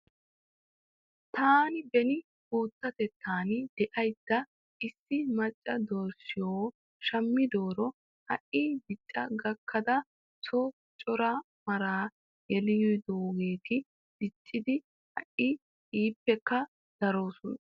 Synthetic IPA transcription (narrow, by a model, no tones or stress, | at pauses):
t̪aːnɪbɛnɪ | huːt̪ːɐt̪ɛt̪ʰːaːnɪd̪̥ɛʔɐjd̪̥ːɐ | ɪsːɪmɐt͡ʃʼːɐd̪oːɾsɪjoː | ʃɐmːɪd̪oːɾɔ | hɐ̰ʔiːbɪt͡ʃʼːɐɡɐkʰːɐd̪ɐ | sɔ | t͡ʃʼɔɾa | mɐɾaː | jɛlɪjɔjd̪oːɡe̞ːt̪ɪ | bɪt͡ʃʼːɪd̪ɪ | hɐ̰ʔɪ | iːpːɛkːɐ | d̪̥ɐɾo̞ːsʊnɐ